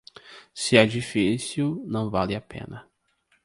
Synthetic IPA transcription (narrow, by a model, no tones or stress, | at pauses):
sɪɛd͡ʒifisiwnɐ̃w̃valɪapḛ̃nɐ